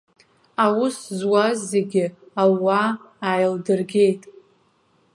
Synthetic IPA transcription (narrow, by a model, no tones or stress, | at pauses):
awʊszwazːeɡʲɪawaː | jldɨrɡʲe̞jtʼ